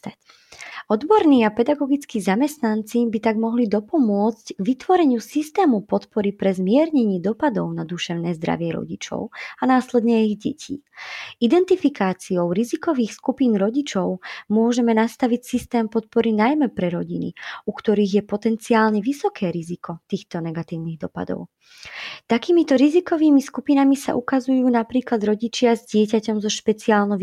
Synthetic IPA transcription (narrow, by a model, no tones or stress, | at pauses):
ɔd̪bɔɾniːapɛd̪aɡɔɡit͡skizamɛst̪nant͡sibit̪aɡmɔɦlid̪ɔpɔmʊɔt͡scɡʋit̪ʋɔɾɛɲɪusist̪ɛːmupɔt̪pɔɾipɾɛzmɪɛɾɲɛɲiːd̪ɔpad̪ɔʊnad̪uʃɛʊnɛːzd̪ɾa̰ʋɪɛɾɔ̰ɟit͡ʃɔ̰ʊanaːslɛd̪ɲɛɛiɣɟɛcʰḭːid̪ɛnt̪ifikaːt͡siɔʊɾizikɔʋiːxskupiːnɾɔɟit͡ʃɔʊmʊɔʒɛmɛnast̪aʋicsist̪ɛːmpɔt̪̚pɔɾinajmɛpɾɛɾɔɟinḭukt̪ɔɾiːɣjɛpɔt̪ɛnt͡siaːlɲɛʋisɔkɛːɾizikʰɔt̪iːxt̪ɔnɛɡat̪iːʊniɣd̪ɔpa̰d̪ɔ̰ʊ | t̪akiːmit̪ɔɾizikɔʋiːmiskupinamisa̰ʔukazujuːnapɾiːklad̪ɾɔɟit͡ʃɪazɟɪɛcacɔmzɔʃpɛt͡siaːlnɔʋ